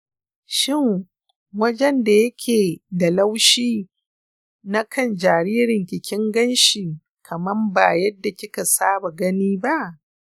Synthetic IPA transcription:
ʃɪ˦˨ŋ | wɐ˦d͡ʒɛ˦nda˨jɐ˦kʲʰeː˨da˨la˦wʃiː˦ | na˦kʰɐ˦˨nd͡ʒaː˨ɾiː˦ɾɪ˨ŋkʲɪ˨kʲɪ˦ŋɡɐ˦nʃiː˨ | kʰɐ˨mɐ˦mba˨jɐ˦dːa˨kʲɪ˦ka˨saː˦ba˨ɡɐ˦niː˦ba˦ʔ

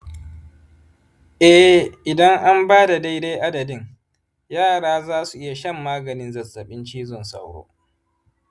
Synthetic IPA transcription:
ʔɛ˦ʔɪ˨dɐ˦ŋʔa˦mbaː˦da˨da˦jde˦ʔa˦dɐ˨dɪ˦ŋ | jaː˦˨ɽaː˦zaː˦su˨ʔɪ˦ja˨ʃɐ˦mːaː˦ɡɐ˨nɪ˦nzɐ˨sɐ˨ɓɪ˦nt͡ʃiː˦zɔ˨nsɐ̰˦wɽo̰ː˦

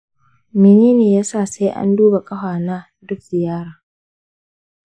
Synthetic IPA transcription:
mɪ˨neː˦neː˨jaː˦saː˦˨sa˦jʔa̰˦nduː˦ba˨kʼɐ˦ɸaː˨na˦ | dʊ˦k̚zɪ˨jaː˦ɽaː˨

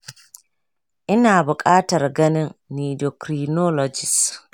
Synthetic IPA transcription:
ʔɪ˦naː˨bʊkʼaː˦ta˨ɾɡɐ˦ni˦nːiː˨dɔ˨kɾinɔ˦lɔd͡ʒi˨s

